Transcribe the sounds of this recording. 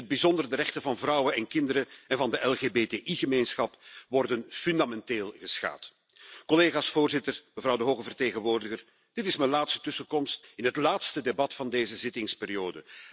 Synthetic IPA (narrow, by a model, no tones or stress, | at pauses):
əd̚bizɔndərdərɛxtəvɑnvrʌwənɛnkɪndəɾəɛnvɑndəʔɛlˠɣeːbeːteːʔiɣəmeːjnsxɑpʋɔrdənfʏndamɛnteːlˠɣəsxa̰ːt | kɔleːɣaːsfoːrzɪtərməvrʌwdəɦoːɣəvərteːɣənʋoːrdəɣər | d̥ɪtɪsməlaːtstə̥tɵsəkɔmstɪnɦətlaːtstədebɑtfɑndeːzəzɪtɪŋspeːrijoːdə